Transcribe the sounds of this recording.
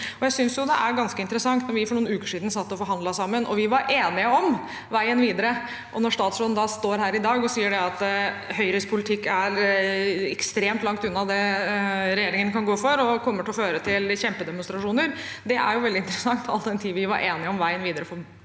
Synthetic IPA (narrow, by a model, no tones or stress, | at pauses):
ɔjæɪsʏnsjʊd̪ɛʔæɾɡɑnskəɪnt̪əɾəsɑŋt̪nɔɾʋɪfɔɳuːnʉːkəʂiːd̪n̩sɑt̪ːɔfɔɾɦɑnd̪lɑsɑmːənʔɔ̰ʋɪʋɑɾʔeːnɪəɔm | ʋæɪənʋiːd̪əɾə | ʔɔnɔʂt̪ɑːt̪sɾɔːd̪nd̪ɑst̪oːɾɦæːɾɪd̪ɑːɡɔsiːəɖɛɑt̪ | hœʏɾɪspʰʊlɪt̪ʰɪkːæɾ | ɛkst̪ɾeːmt̪lɑŋkt̪ʉnːɑd̪ɛ | ɾɛjeːɾɪŋənkɑnɡoːfɔɾɔkʰɔmːəʈɪlɔføːɾət̪ʰɪlçɛmpəd̪ɛmʊnst̪ɾɑʂuːnəɾd̪ɛʔæ̰ɾjʊʋɛld̪ɪnt̪ɾəsɑŋt̪ʰɑ̰lt̪əd̪ɛnt̪ʰiːʋɪʋɑɾʔeːnɪɔmʋæɪənʋiːd̪əɾəfɔ